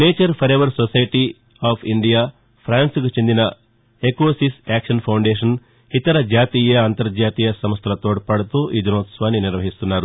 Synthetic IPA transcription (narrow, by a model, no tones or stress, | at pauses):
neːt͡ʃɐɾpʰɐɾeːʋɐɾsosɐjʈi | aːpʰiɳɖijaː | pʰɾaːnskut͡ʃend̪inɐ | ekoːsisaːkʂɐnpʰɐwɳɖeːʂɐn | it̪ɐɾɐd͡ʒaːt̪iːjɐːnt̪ɐɾd͡ʒaːt̪iːjɐsɐmst̪ʰɐlɐt̪oːɽpɐɽut̪uʔid̪unoːt̪sʋaːniniɾʋɐɦist̪unːaːɾu